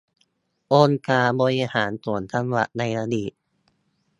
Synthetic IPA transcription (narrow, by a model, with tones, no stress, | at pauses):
ʔoː˧nkaː˧bɔː˧ɾi˧haː˩˦nt̪u˨˩˦ənt̪ʰa˧˥mwa̰˨˩ʔ̚na˧jɾa˧diː˨˩t̪̚